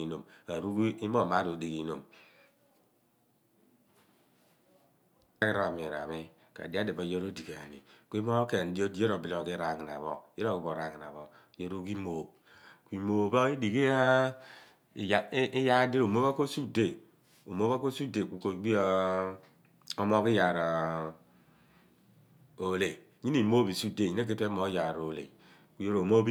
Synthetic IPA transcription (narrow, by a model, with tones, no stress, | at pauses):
i˨no˨mka˨ɾu˦ɡi˦mo˦˨ma˦do˨di˨ki˨˦no˨m | a˦ki˦ɾo˨mi˨ɾa̰˨mi˦ | ka̰˨di˦a˦de˨bo˨jo˦ɾo˦di˨ɡa˨nḭ˨ki˦mo˦ke˨n˦di˦o˦di˦je˦ɾo˨bi˦lo˨ki˦ɾa˨ŋi˨na̰˨βo˦˨je˦ɾo˦˨ɡi˨˦bo˨ɾa˨ŋi˨na̰˨βo˨ | jo˦ɾu˦ɡi˦mo˨b | kʷi˨mo˨bo˦i˦di˨ki˦a˦˨ | ji˦ja˦di˦ɾo˨mo˦βa˦ko˦su˦de˦˨ | o˨mo˦βa˦ko˦su˦de˨ku˨ko˨˦ɡ͡bi˦ | o˦mo˦ki˦ja˨ɾa˨ | o˨˦le˨ | ɲi˦ni˨mo˦bi˨su˦de˦˨ɲi˦ne˦k̬e˦te˦mo˨˦ja˨ɾo˨lḛ˨ | ku˦je˦ɾo˨mo˦bi˦